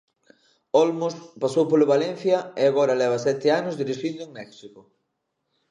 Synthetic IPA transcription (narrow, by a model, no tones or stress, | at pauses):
ɔlmospasowpolʊβalɛn̟θjɐeaɣɔɾɐlɛβ̞ɐsɛt̪ɪanʊzðiɾiʃind̪ʊeŋmɛksikʊ